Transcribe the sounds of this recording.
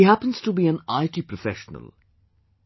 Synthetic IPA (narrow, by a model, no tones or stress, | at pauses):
iɦæpə̃nz̥tubiːæ̃naɪʈipɾɔfɛʃənə̰l